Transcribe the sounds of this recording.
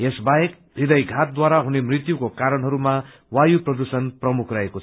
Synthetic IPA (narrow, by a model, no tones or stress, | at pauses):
esbaek | bʱid̪ʌjɡʱat̪̚d̪waɾaɦunemrit̪jukokaɾʌnɦʌɾuma | wajuprʌd̪usʌnprʌmukʰraekot͡sʰ